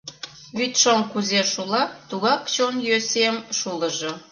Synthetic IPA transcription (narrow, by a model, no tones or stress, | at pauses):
βyt̪ʃoŋkuzeʃulɑt̪uɣɑkt͡ɕonjøsemʃuləʒo